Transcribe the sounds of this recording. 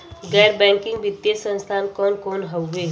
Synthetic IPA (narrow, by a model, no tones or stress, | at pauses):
ɡɛːɾbɛ̃ːŋkɪ̃ŋɡbɪt̪ːjesə̃nst̪ʰaːnkɔːnkɔːnɦowɡeː